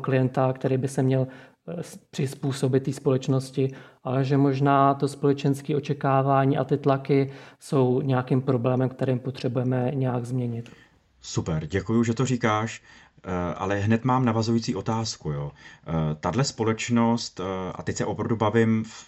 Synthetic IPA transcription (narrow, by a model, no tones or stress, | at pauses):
klɪjɛnt̪akt̪ɛɾiːbɪsɛmɲɛl | pr̥ɪspuːso̞bɪt̪ːiːspo̞lɛt͡ʃno̞scɪʔalɛʒɛmo̞ʒnaːt̪o̞spo̞lɛt͡ʃɛnskiːʔo̞t͡ʃɛkaːvaːɲiːʔa̰t̪ɪt̪lakɪso̞wɲɛjakiːmpɾo̞blɛːmɛmkt̪ɛɾiːmpot̪r̝̥ɛbujɛmɛɲɛjaɡzmɲɛɲɪt̪ | supɛɾɟɛkujuʒɛt̪orikaːʃ | ʔa̰lɛɦnɛt̪maːmnavazujit͡siːʔo̞t̪aːskujoːt̪adlɛspo̞lɛt͡ʃno̞st̪ʔa̰t̪ɛc̚ʲsɛʔopɾavdubavɪmf